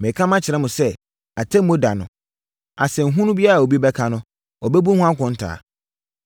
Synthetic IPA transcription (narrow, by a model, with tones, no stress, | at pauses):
mɛ̃˨kʰã˦mã˦t͡ɕʰɪ˨ɾɛ˦mʊ̃˨sɛ˦ | a˨tʰɛ̃˦m˦o˦da˨nʊ̰̃˨ | a˨sɛ̃˨ŋ̩˨ɦũ˦nʊ̃˦bi˦a˦ɾa˨o˨bi˦bɛ˦kʰa˦nʊ̃˦ | ɔ˨bɛ˦bu˦hũ˦ã˦kʰʊ̃˨n̩˦tʰa̰ː˨